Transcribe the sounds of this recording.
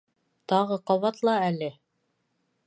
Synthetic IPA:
t̪ɑʁɤqɑβɑt̪lˠɑælɘ

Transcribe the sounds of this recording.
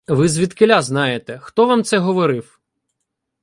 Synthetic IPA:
ʋɪzʋʲid̪kɪlʲaznɑjet̪ɛxt̪ɔʋamt̪sɛɦɔʋɔɾɪw

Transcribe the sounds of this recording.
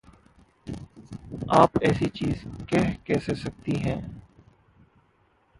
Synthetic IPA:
aːpɛːsit͡ʃiːzkɛːkɛːsesɐk̚t̪iɦɛ̃ː

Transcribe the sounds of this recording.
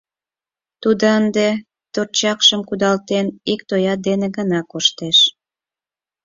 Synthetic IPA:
t̪ud̪oənd̪e | t̪ort͡ɕɑkʃəmkud̪ɑlt̪enikt̪ojɑt̪̚d̪eneɣənɑkoʃt̪eʃ

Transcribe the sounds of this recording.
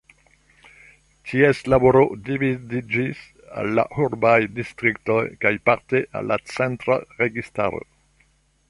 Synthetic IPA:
tʰieslaboɾodividid͡ʒis | a̰lːa̰huɾbajdistɾiktojkajpaɾteʔa̰lːat͡sentɾa̰ʁeɡista̰ɾo̰

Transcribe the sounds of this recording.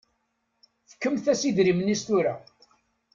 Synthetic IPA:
θfə̥kːəmθæsiðɾimənːist̪uɾa

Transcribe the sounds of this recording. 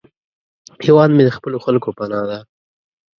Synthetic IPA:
pʰewɑnmed̪əxpəloxalkopanɑd̪a

